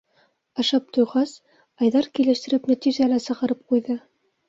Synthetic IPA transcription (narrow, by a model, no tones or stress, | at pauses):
ɑʃɑp̚t̪ŏjʁɑs | ɑjðɑɾkilɘ̆ʃt̪ɘ̆ɾɘpnæt̪iʒælæsɤ̆ʁɤ̆ɾɤp̚qujðɤ